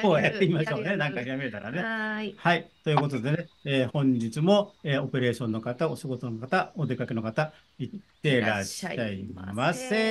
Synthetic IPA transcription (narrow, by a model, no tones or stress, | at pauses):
oːet̪ːeimaɕo̞ːne̞nãŋkaçiɾameɾe̞t̪aɾa̰ne̞hait̪o̞jiɯ̟ko̞t̪o̞d̪e̞ne̞eːhõ̞ɲ̟d͡ʑit͡sɨmo̞eo̞pe̞ɾe̞ːɕõ̞nːo̞kat̪ao̞ɕiɡo̞t̪o̞no̞kat̪aod̪e̞kakeno̞kat̪a | itt̪ːe̞ɾaɕaimas